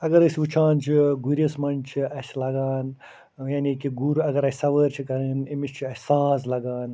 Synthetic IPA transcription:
ɐɡɐɾɨsʋut͡ʃʰaːnt͡ʃʰiɡuɾʲɐsmɐnt͡ʃʰiɐslɐɡaːn | janikiɡuɾɐɡɐɾɐsʲsɐʋəːɾt͡ʃʰikɐɾɨːnimist͡ʃʰiɐsaːzlɐɡaːn

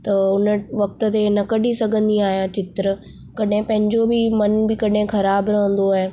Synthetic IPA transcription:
t̪ɐʊnəʋɐk̚t̪ʊ̆t̪enɐkɐɗisɐɡʱə̃nd̪iaːɦijãt͡ɕɪt̪ɾə | kɐɗɦɪ̃pɐ̃ɦɪ̃ɲd͡ʑobɪmɐnbɪkɐɗɦɪ̃xɐɾaːbɾɐɦə̃n̆d̪oaːɦe

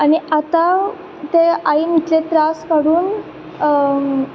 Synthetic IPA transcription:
añiat̪a | t̪eainit̪let̪ɾaskaɽuːn

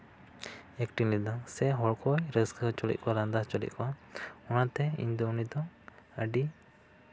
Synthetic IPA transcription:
ɛkʈinlid̪aŋsɛɦɔɭkɔjɾəskət͡ʃɔlḭc̪̚kɔaɾand̪aht͡ʃɔlḭc̪̚kɔwaɔnat̪ɛḭɲd̪ɔunid̪ɔəɖi

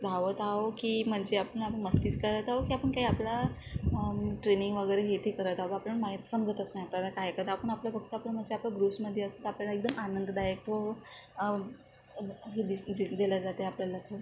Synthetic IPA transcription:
d̪ʱaʋət̪aokiːm̤əɳd͡zeapəɳapəɳməst̪iːt͡skəɾət̪aɦokiːapəɳkaɦiapla | ʈɾeniŋɡʋəɡəjɾeɦet̪ʰekəɾət̪aʋoapləɳmaɦit̪səmd͡zət̪əsnajapljalakajkəd̪apəɳapljəfək̚t̪əapləm̤əɳd͡zeaplaɡɾusməd̪ʱːjeəst̪ət̪apljalaek̚d̪əmanənd̪ʱd̪ajək̚ʈo | ɦed̪id̪elad͡zat̪eapljalat̪ʰoɽə

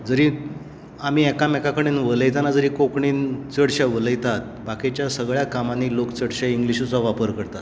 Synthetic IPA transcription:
d͡zəɾiː | amiːɛkamɛkakəɽinʋələjt̪anad͡zəɾiːkokɳiːnt͡səɽɕaʋələjt̪at̪̚bakit͡ɕjasəɡɭjakamaniːlokt͡səɽɕaiŋɡliɕut͡saʋapəɾkəɾt̪at̪

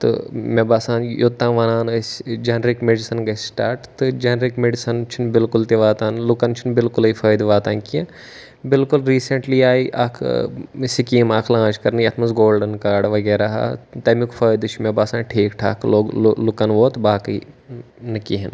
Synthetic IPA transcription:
t̪ɨ̰mebaːsãːnjot̪ːãːʋɐnaːnɐsd͡ʒɐnɾikmeɖisɐnɡɐsʲsʈaːɾʈt̪ɨd͡ʒɐnɾikmeɖisɐnt͡ʃʰinbɪlkʊlt̪iʋaːt̪aːnlʊkɐnt͡ʃʰinbɪlkʊlɐifɐːjd̪ʋaːt̪aːnkiɐ̃ | bɪlkulɾiːseɳʈliːaːiʔa̰ːkʰsikiːmaːkʰlãːt͡ʃkɐɾnjɐt̪ʰmɐsɡoːlɖɐnkaːɾɖʋɐɡɛːɾaːɦa̰ːt̪ɐmikʰfʰəːjd̪ɨt͡ʃʰmʲebaːsãːnʈʰeːkʈʰa̰ːkʰloːlukɐnʋoːt̪baːkɐi | nɐkiɦin

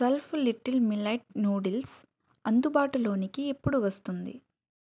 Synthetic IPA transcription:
sɐlpʰliʈːilmilɐjʈ̚nuːɽils | ɐnd̪ubaːʈulo̞ːnikiepːuɽuʋɐst̪und̪ḭ

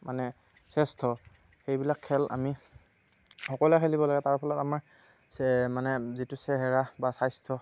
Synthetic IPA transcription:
manɛ | sɛstʰɔ | xejbilakʰːɛlʔa̰mi | xɔkɔlɛkʰelibɔlaɡɛtaɹpʰalɔtamaɹ | ɛmanɛzitʊsɛɦɛɹabasajstʰɔ

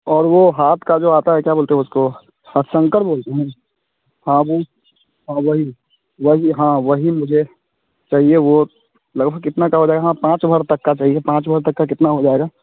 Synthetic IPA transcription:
ɔːɾʋoɦaːt̪ʰkad͡ʒoːaːt̪aɦɛkjaboːlt̪eɦɛ̃ʊsko | həsə̃ŋkəʈboːlt̪eɦɛ̃ | hãwo | ɦãːʋɐɦi | ʋəɦiɦãːʋəɦimʊd͡ʒʱe | t͡ʃaːɦieʋo | lɐɡbʱəɡ̚kɪt̪nakaɦod͡ʒaːeɡaɦãpãːt͡ʃbʱəɾt̪ɐkːat͡ʃaːɦiepãːt͡ʃbʱəɾt̪ɐkːak̬ɪt̪naɦod͡ʒaːeɡaː

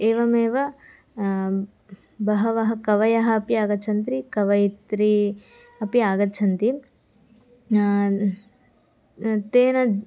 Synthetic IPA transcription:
eːʋɐmeːʋɐ | bɐɦɐʋɐɦɐkɐʋɐjɐɦɐɐpijaːɡɐt͡ʃʰɐnt̪ɾikɐʋɐjit̪ɾi | ɐpiaːɡɐt͡ʃʰɐnt̪i | t̪eːnɐ

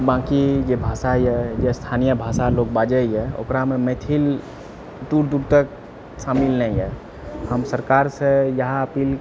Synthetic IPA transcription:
bãkid͡ʒebʱasaiɦɛd͡ʒest̪ʰanijəbʱasalok̚bad͡ʒəiɦɛo̰kɾamemet̪ʰil | d̪uɾd̪uɾt̪ək̚ | samilnəĩɦɛ | həmsəɾkaɾsẽjəɦãəpiːl

